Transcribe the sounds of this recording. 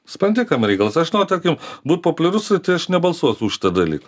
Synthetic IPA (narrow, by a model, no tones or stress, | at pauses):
spɾɐnd̪ʲɪkɐmɾʲɛɪkɐlˠɐsɐʃnoːt̪ɐɾʲkʲɪmbuːt̪̚poːpʊlʲɛɾʊsɾʲɪt̪ʲɪɐʃnʲɛbɐlˠsuɔsʲʊːʃʲɪ̥t̪ɐd̪ɐlʲḭːkɐ